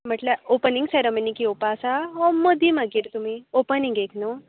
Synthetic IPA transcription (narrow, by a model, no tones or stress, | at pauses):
m̤əʈlaopəniŋɡseɾəmənikiopasaɦɔməd̪ʱimaɡiːɾt̪umiopənĩŋɡekʰno